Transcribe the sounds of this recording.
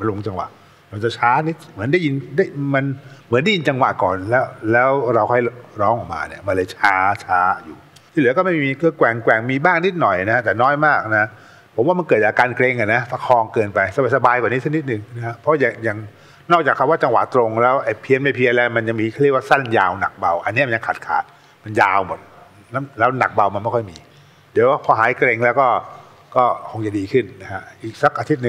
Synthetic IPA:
ma˧lo˧˩˧t͡ɕa˧ŋwa̰˨˩ʔ | ɾa˧wt͡ɕa˨˩t͡ɕʰaː˦˥ni˦˥t̪̚mɯ˩˦nda˥˩ji˧ndaː˥˩jma˧nmɯ˨˩˦nda˥˩ji˧nt͡ɕa˧ŋwa̰˨˩kɔː˨˩nlɛː˦˥wlɛː˦˥wɾa˧wkʰɔ˥˩jɾɔː˦˥ŋʔɔ̰ː˨˩k̚ma̰ː˧nḭ˦˥˩ɐma˧nlɤː˧jt͡ɕʰaː˦˥t͡ɕʰaː˦˥juː˨˩ | t̪ʰiː˧˥˩lɯ˩˦kɔː˥˩ma˥˩miː˧kʰɯː˧kwɛ˨˩ŋkwɛ˨˩ŋmiː˧baː˥˩ŋni˦˥t̪̚nɔ˨˩jna˦˥t̪ɛː˨˩nɔː˦˥jmaː˥˩k̚na˦a˥ | pʰo˩˦mwa˥˩m˧nkɤː˨˩t̪̚aː˧kaː˧nkle˧ŋka˧˩na˦˥fa˧kʰɔː˧ŋkɤː˧npa˧jsa˧ba˨˩sa˧baː˧jka˨˩ni˦˥sʰni˦˥t̪̚nɯ˨˩ŋna˦˥a˦˥pʰɔ˦˥ja˨˩ŋja˨˩ŋ | nɔː˥˩k̚t͡ɕaː˨˩kʰa˦˥waː˥˩t͡ɕa˧ŋwa̰˨˩t̪ɾo˧ŋlɛː˦˥wʔa˧˩jpʰi˧ənma˧˩pʰi˧ə˧nlɛː˦˧˥ma˧nja˨˩ŋmiː˧˥˩wa˥˧˩sa˥˩nja̰ː˧wna̰˨˩k̚ba˧wʔa˧nːi˦˥˨m˧nɲa˧ŋkʰaː˨˩t̪̚kʰa̰ː˨˦t̪̚ | ma˧njaː˧wmo˨˩t̪̚ | la˦˥lɛː˦˥wna˨˩k̚ba˧wma˧nma˥˩kʰɔ˥˩jmiː˧ | di˨˩˦waː˥˩pʰɔː˧ɦaː˨˩˦jkɾe˧ŋlɛː˦˥wkɔː˥˩ | kɔː˥˩kʰo˧ŋt͡ɕa˨˩diː˧kʰɯ˥˩nna˦˥kʰa˦˥ʔiː˨˩k̚sa˦˩k̚ʔaː˧t̪ʰi˦˥t̪̚nɯ˨˩ŋ

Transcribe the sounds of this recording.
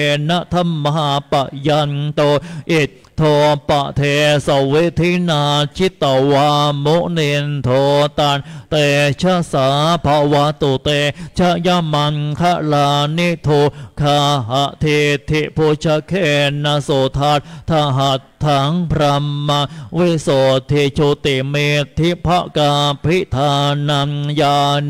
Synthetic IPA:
na˧ʔt̪ʰa˧˥˨mːa˧a˧pa˨ʔja˧nt̪o˧ʔi˨˩ | t̪ʰːo˧pa̰˨ʔt̪ʰe˧sa˨˩wi˦t̪ʰi˧˥naː˧t͡ɕʰi˦˥t̪a˨˩wa˧mo˦˥ʔni˧nt̪ʰo˧t̪a˧nt̪e˧t͡ʃʰa˧˥saː˨˦pʰa˧wa˧˦t̪o˨˩t̪e˧t͡ʃʰa˧ʔja˧ma˧nkʰa˧ʔla˧ni˧˥t̪ʰo˧kʰa˧ɦa˧ʔt̪ʰi˧t̪ʰi˧ʔpʰo˧t͡ʃʰa˧kʰe˧˩na˧so˨˩t̪ʰa˧t̪̚t̪ʰa˧ɦa˨˩tʰːa˧˦ŋpʰɾa˧mːa˧ŋwi˧so˨˩t̪ʰːi˧t͡ʃʰo˧t̪i˨mi˧t̪ʰːi˦pʰa˧ʔka˧pʰi˦˥ʔt̪ʰa˧na˧ŋja˧

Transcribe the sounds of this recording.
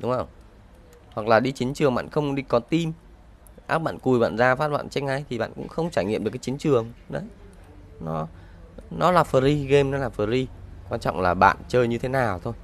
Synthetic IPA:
ɗʊ˨˦ŋ͡mhə˧˩w | hwa˨˩k̚laː˨˩ɗi˧t͡ɕi˨˦nt͡ɕɨ˨˩əŋɓa̰ː˧˨nxə˧wŋ͡mɗi˧kɔ˨˦t̪i˧m | ʔaː˦˥k̚ɓa̰ː˧˨nku˨˩jɓa̰ː˧˨nzaː˧faː˦˥t̚ɓa̰ː˧˨nt͡ɕa˧˥k̚ŋa˧˩jt̪ʰi˨˩ɓa̰ː˧˨nkʊ̰˧˥ŋ͡mxə˧wŋ͡mt͡ɕaː˧˩jŋḭ˧˨mɗɨ˨˩kaː˨˦t͡ɕi˨˦nt͡ɕɨ˨˩əŋɗə˨˦j | nɔ˨˦ | nɔ˨˦laː˨˩fəː˨˩ɾi˧ɣe˧mnɔ˨˦laː˨˩fəː˨˩zi˧kwaː˧nt͡ɕɔ̰˧˨wŋ͡mlaː˨˩ɓa̰ː˧˨nt͡ɕəː˧jɲɨ˧t̪ʰe˨˦naː˨˩wt̪ʰo˧j

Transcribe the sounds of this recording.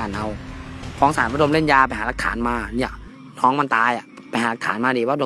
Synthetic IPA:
aː˧˩nʔa˧wkʰɔː˦ŋsaː˨˦nwa˧˥do˧mle˥˩njaː˧pa˧jhaː˨˩˦la˧kʰa̰ː˩˦nmaː˧niː˦˧˥ɐ˨ | nʰɔː˦˥ŋma˧nt̪aː˧jʔa˨˩ | pa˧jɦaː˨˦la˧kʰːaː˨˩˦nmaː˧diː˧˩waː˧do˧

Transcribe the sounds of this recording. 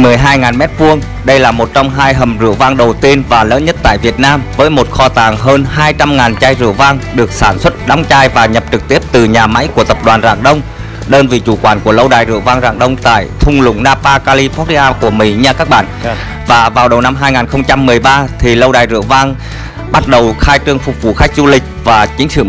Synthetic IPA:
mɨ˨˩əjɦaː˧jŋaː˨˩nmɛ˦˥t̚vu˧əŋ | ɗə˧jlaː˨˩mo˨˩t̚t͡ɕɔ˧wŋ͡mɦaː˧jɦə˨˩mzɨ̰˧˩əva˧ŋɗə˨˩wt̪i˧ənvaː˨˩lə̰ː˨˦nɲə˦˥t̚t̪a̰ː˧˨jvi˨˩ət̚naː˧mvəː˨˦jmo˨˩t̚xɔ˧t̪aː˨˩ŋɦəː˧nɦaː˧jt͡ɕa˧mŋaː˨˩nt͡ɕaː˧jzɨ̰˧˨əvaː˧ŋɗɨ˨˩ək̚saː˧˩nswə˦˥t̚ɗa˨˦ŋ͡mt͡ɕaː˧jvaː˨˩ɲə˨˩p̚t͡ɕɨ˨˩k̚t̪i˦˥əp̚t̪ɨ˨˩ɲaː˨˩ma̰˧˥jku˧˩ət̪ə˨˩p̚ɗwaː˨˩nza̰ː˧˩ŋɗə˧wŋ͡m | ɗəː˧nvḭ˨˩t͡ɕu˧˩kwaː˧˩nku˧˩ələ˧wɗaː˨˩jzɨ̰˧˨əvaː˧ŋza̰ː˧˩ŋɗə˧wŋ͡mt̪a̰ː˧˨jt̪ʰʊ˧ŋ͡mlʊ̰˧˥ŋ͡mnaː˧paː˧kaː˧li˧pɔ˦˥˧ʔaː˧ku˧˩əmḭ˧˥ɲa˧kaː˦˥k̚ɓa̰ː˧˨n | vaː˨˩vaː˨˩wɗə˨˩wna˧mɦaː˧jŋaː˨˩nxə˧wŋ͡mt͡ɕa˧mːɨ˨˩əjɓaː˧t̪ʰi˨˩lə˧wɗaː˨˩jzɨ̰˧˨əvaː˧ŋ | ɓa˦˥t̚ɗə˨˩wxaː˧jt͡ɕɨ˧əŋfʊ˨˩k͡p̚vṵ˧˨˩xa˦˥k̚zu˧lï˨˩k̟̚vaː˨˩t͡ɕï˨˦ŋ̟sɨ̰˧˨

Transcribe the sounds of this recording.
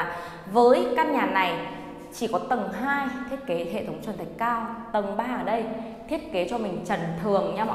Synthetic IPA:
vəː˨˦jkaː˦˥k̚ɲaː˨˩na˨˩j | t͡ɕi˧˩kɔ˨˦t̪ə˨˩ŋɦaː˧jt̪ʰi˦˥ət̚ke˨˦ɦḛ˧˨t̪ʰə˨˦wŋ͡mt͡ɕwə˨˩nt̪ʰa˨˩ŋkaː˧wt̪ə˨˩ŋɓaː˧ʔəː˧˩ɗə˧j | t̪ʰi˦˥ət̚ke˨˦t͡ɕɔ˧mï˨˩ŋ̟t͡ɕə˨˩nt̪ʰɨ˨˩əŋɲa˧mɔ̰˧

